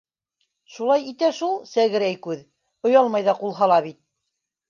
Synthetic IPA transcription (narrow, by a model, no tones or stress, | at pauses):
ʃulˠɑjit̪æʃulˠsæɡɘ̆ɾæjkʉð | ŏjɑlˠmɑjðɑqulˠɦɑlˠɑβit̪̚